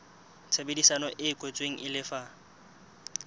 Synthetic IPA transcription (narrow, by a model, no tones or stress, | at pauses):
t͡sʰabedisanɔʔɪkʼwet͡sʼweŋ̩ʔɪlɪfa